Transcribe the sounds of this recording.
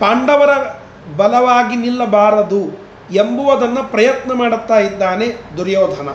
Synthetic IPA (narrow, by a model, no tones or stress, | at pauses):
paːɳɖɐʋɐɾɐ | bɐlɐʋaːɡinilːɐbaːɾɐd̪u | embuʋɐd̪ɐnːɐpɾɐjɐt̪nɐmaːɽut̪ːaːjid̪ːaːne̞d̪uɾjɔːd̪ʱɐnɐ